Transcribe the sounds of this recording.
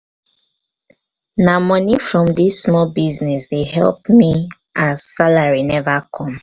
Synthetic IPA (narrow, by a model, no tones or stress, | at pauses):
namɔnifɹɔ̃mdisːmɔbiznɛsdehɛ̰lp̚mi | ʔaz̥salaɹinɛvakʰɔ̃m